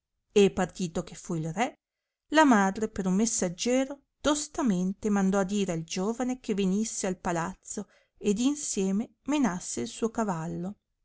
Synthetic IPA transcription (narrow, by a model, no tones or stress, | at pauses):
epːart̪iːt̪okefːuilrɛ | lamaːd̪ɾepeɾumːesːad͡ʒɛːɾo | d̪̥ost̪ament̪emand̪ɔad̪ːiːɾeald͡ʒoːvanekevenisːealpalat̪so | ed̪insjɛːme | menasːeilsuːokavalːo